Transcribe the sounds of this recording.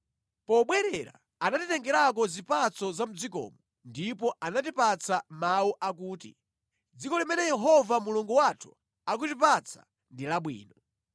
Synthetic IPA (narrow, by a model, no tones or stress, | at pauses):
pɔɓwɛɾɛɾa̰ | anatitɛŋɡɛɾak̬ɔzipat͡sɔzam̩d͡zikɔ̰ːmɔ | ndipɔʔanat̬ipat͡samawuʔakuːtḭ | d͡zikɔlimɛnɛjɛɦɔvamuluŋɡuwatʰu̥ | ak̬utipat͡sʰḁ̰ | ndilaɓwḭːnɔ